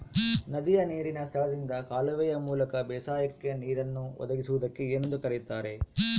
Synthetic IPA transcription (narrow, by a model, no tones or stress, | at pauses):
nɐd̪ijɐneːɾinɐst̪ʰɐɭɐd̪ind̪ɐkaːlɐʋɛjɐmuːlɐkɐbɛːsaːjɐkkːjeniːɾɐnːuʋɔ̰d̪ɐɡisuʋud̪ɐkːeend̪ukɐɾit̪aːɾe̞